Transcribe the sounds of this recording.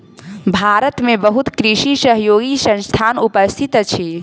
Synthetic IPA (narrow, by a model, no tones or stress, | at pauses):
bʱaɾət̪mebəɦut̪kɾisisəɦjoɡisə̃nst̪ʰanupəst̪ʰit̪t͡ʃʰi